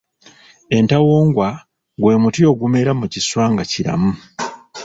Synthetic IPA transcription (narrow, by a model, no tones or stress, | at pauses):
e̞ntawoːŋɡwa | ɡwe̞ːmutio̞ːɡume̞ɾamuciswaːŋɡaciɾa̰mu